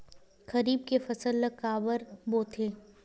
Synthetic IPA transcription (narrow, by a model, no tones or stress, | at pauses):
kɐɾiːb̚kefɐsəlːəkaːbəɾboːt̪ʰeː